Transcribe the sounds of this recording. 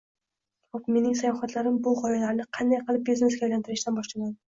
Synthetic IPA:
χopme̞nɪŋsajɒχat̪laɾɪmbʊʁɒjalaɾnɪqʰɑnd̪ajqɨlˠɪp̚bezneɪsɡʲajlant̪ɪɾɪʃt̪anbɒʃlaɡʲan

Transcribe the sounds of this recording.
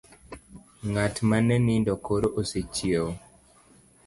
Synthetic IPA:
ŋatmanɛnindɔkoɾoʔoset͡ʃieo

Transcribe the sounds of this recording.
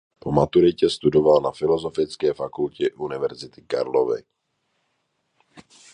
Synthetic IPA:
pomat̪uɾɪcɛst̪udovalnafɪlozofɪt͡skɛːfakulcɛʔunɪvɛɾzɪt̪ɪ̥ka̰ɾlovɪ̰

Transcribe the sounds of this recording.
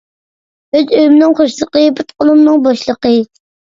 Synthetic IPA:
øzøjymɪnɪŋχoʃlˠəqəbɨt̪qʰolˠumnɨŋbɑʃlˠəqə

